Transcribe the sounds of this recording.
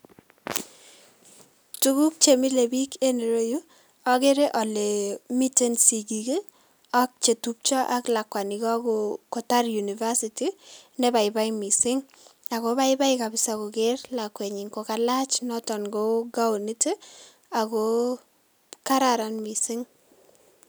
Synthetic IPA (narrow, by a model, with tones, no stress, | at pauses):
tu˦ɡu˦k̚t͡ʃe˨mi˦le˨bi˦ke˦ne˨ɾo˦ju˦ | ɔ˦ke˦ɾe˦ʔɔ˨le˨mi˦te˦nsi˨ɡi˨ke˦ | a˦k̚t͡ʃe˨tu˦p̚t͡ʃɔ˦ʔa˦kla˨kwa˨ni˨kɔ˦ko˨ko˨ta˦rju˨niva˦sitinɛ˦ba˨ɪba˦imi˨sɪ˦ŋ | a˨koba˦ɪba˦ikabɪ˨sako˨kerlakwe˨ɲɪ˨ŋko˨ka˨la˦t͡ʃnɔtɔ˨nɡo˦ɡa˦o˨ni˦te˦ | ako | ka˦ɾaɾa˨nmi˨sɪ˦ŋ